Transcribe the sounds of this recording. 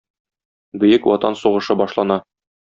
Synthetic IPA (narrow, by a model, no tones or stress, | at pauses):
bɵ̆jɘkwɒt̪ɑnsuʁɤ̆ʃɤbɒʃlˠɑnɑ